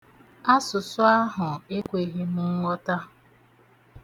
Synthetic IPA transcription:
a˦sʊ˨sʊ˦a˦ɦʊ˨e˦kʷe˨ɣe˦mʊ˦ŋ̩˦ŋʷɔ˦ta˦

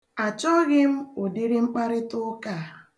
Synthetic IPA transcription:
a˨t͡ʃɔ˦ɣɪ˦m̩˦ʊ˨di˦ɾɪ˦ŋ͡m̩˦k͡pa˦ɾɪ˦tʊ˦ka˦˨

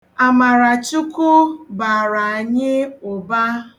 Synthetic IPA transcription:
a˨ma˨ɾa˨t͡ʃʊ˦kʊ˦ba˨ɾa˨a˨ɲɪ˦ʊ˨ba˦

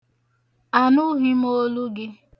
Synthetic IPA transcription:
a˨nʊ˦ɦi˦m˦o˦lu˦ɡɪ˦

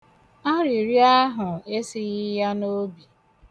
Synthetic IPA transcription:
a˦ɾi˨ɾi˦a˦ɦʊ˨e˦si˦ɣɪ˦ja˦no˦bi˨

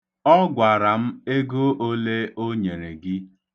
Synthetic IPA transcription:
ɔ˦ɡʷa˨ɾa˨m̩˦e˦ɡo˦ʔo˦le˦o˦ɲe˨ɾe˨ɡɪ˦

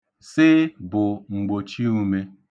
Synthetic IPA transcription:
sɪ˦bʊ˨ŋ͡m̩˨ɡ͡bo˨t͡ʃi˦u˦me˦

